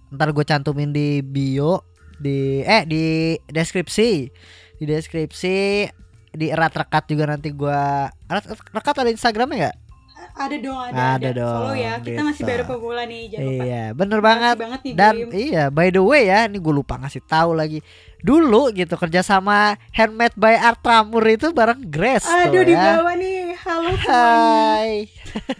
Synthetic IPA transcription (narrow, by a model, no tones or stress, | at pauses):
ənt̪arɡuat͡ʃant̪umɪndibio | diɛhdideskɾip̚si | dideskɾip̚si | diɾat̪rəkat̪̚d͡ʒuɡanant̪iɡuarat̪rəkat̪adainst̪aɡɾamɲaŋɡaʔ | adadɔŋaadadɔjakiɡiamasɪbaɾupəɡulanid͡ʒaija̰bənərbaŋətŋət̪̚danijabajdowejainiɡualupa̰ŋasɪht̪aulaɡi | duluɡit̪ukərd͡ʒasamahɛnmɛt̪̚bajart̪ɾamʊrit̪ubaɾəŋɡɾɛsadɔdiaawanihalohaj